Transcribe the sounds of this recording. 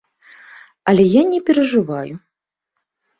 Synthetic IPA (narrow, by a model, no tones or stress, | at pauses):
ɐlʲɛjanʲɛpʲɛɾɐʐɨvaju